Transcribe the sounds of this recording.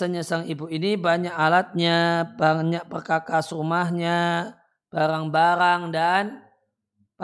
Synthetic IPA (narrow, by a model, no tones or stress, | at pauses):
əɲəsaŋibuinibaɲakalat̪̚ɲabaɲak̚pərkakasɾumahɲa | b̥aɾaŋbaɾaŋdan | p